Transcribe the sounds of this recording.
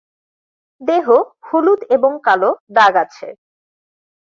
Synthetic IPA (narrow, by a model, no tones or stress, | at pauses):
d̪eɦohulut̪eboŋkaloɖaɡat͡ɕʰḛ